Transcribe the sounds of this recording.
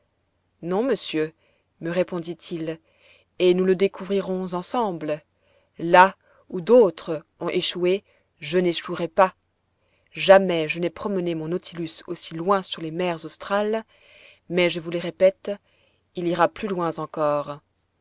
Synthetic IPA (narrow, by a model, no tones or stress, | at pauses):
nɔ̃məsjø | məʁepɔ̃d̪it̪ʰil | enuləd̪ekuvʁiʁɔ̃zɑ̃sɑ̃bl | la | ud̪ot̪χə | ɔ̃ʔeʃue | ʒəneʃuʁɛpa | ʒamɛʒənɛpχɔmənemɔ̃not̪ʰilysosilwɛ̃syʁlemɛʁzost̪χal | mɛʒəvuleʁepɛt̪ | iliʁaplylwɛ̃zɑ̃kɔːʁ